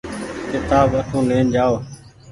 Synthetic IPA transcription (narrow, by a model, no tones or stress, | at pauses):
kɪt̪aːbəʈʰũːleːnd͡ʒaːoː